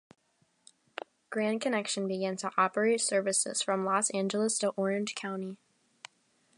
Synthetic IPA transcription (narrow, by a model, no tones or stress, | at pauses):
ɡ̥ɹæ̃nkʰɨnɛkʃɨ̃nbɨɡæ̃ntʰəʔɑpə˞eɪtsɜ˞vɨsɪ̰z̥fɹʌ̃mlɔsæ̃nd͡ʒl̩ˠəstʰəʔɔɹɨ̃nʒ̥kʰãʊ̃ni